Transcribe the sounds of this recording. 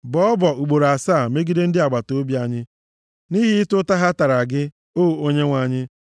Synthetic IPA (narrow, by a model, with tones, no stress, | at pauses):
bɔ˦ɔ˦bɔ˨u˨ɡ͡bo˨ɾa˨saː˦˨me˦ɡi˦de˦n̩˦dɪ˦a˨ɡ͡ba˨to˦bja˨ɲɪ˦ | ni˦ɦɪ˦ɪ˦tʊ˦ta˦ɦa˦ta˨ɾa˨ɡɪ˦ | oː˦˨o˦ɲe˦ŋʷa˨ɲɪ˦